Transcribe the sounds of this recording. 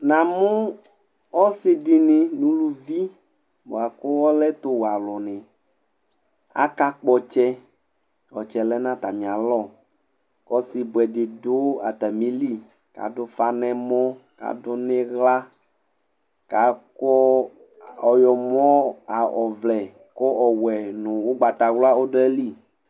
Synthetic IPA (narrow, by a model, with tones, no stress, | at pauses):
nã˨mũ˦ | ɔ˦sɪ˨di˨nɪ̃˨nũ˦lu˦vi˦ | bo̰˨a˨kʊ˦wɔ˦lɛ˦t̪o˦wo˨a˨lɔ˨nɪ̃˨ | a̰˦ka˦k͡pɔ˦t͡ʃɛ˦ | wɔ˨t͡ʃɛ˨lɛ˦nã˦t̪a˨mĩ˨a˨lɔ˦˨ | kɔ˦si˨bʊ˨ɛ˨dɪ˨do˦a̰˨t̪a˨mĩ˦li˦ | ka̰˨do˦fa˦nɛ̃˦mɔ̃˦ka̰˨do˦nẽ˦ɣla˦ | ka˨kɔ˦ | ɔ˨jɔ˨m˦ɔ̃˦a˨ɔ˨vlɛ˨ | kɔ˦ʔɔ˨wɛ˨nũ˨wo˦ɡ͡ba˨t̪a˨wla˦o˦do˦ɛ˦li˦˨